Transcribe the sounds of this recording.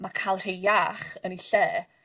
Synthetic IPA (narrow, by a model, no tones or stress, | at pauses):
makʰaːlˠr̥ejaχəniɬɛː